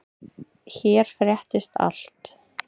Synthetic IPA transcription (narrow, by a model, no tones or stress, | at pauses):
çɛːɾ̥fɾjɛht̪ɪst̪a̰l̥t̪